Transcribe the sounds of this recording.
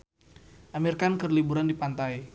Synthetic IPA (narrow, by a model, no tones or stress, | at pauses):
ʔamirkankərlibuɾandipant̪aj